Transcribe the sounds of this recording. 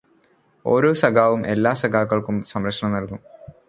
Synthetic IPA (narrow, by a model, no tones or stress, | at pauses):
o̞̰ːɾo̞ːsɐɡʱaːʋumʔe̞lːaːsɐɡaːkːɐɭkumsɐmɾɐkʂɐɳɐmnɐlkum